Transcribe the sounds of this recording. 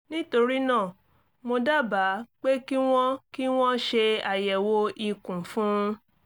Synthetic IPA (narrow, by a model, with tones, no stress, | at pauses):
nĩ˦to˧ɾi˦nãː˦˨ | mo˧da˦ba˨˦k͡pe˦ki˦w̃ɔ̃˦ki˦w̃ɔ̃˦ʃe˧a˨jɛ˨wo˧i˨kũ˨fũ˦